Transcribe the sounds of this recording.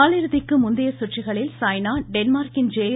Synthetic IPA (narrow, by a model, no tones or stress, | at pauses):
aːlɪɾɯðɪkːɯmʊnd̪ɐjɐsʊʈrɪɣɐɭɪlsaːjnaːɖɛnmaːɾkɪnd͡ʒeː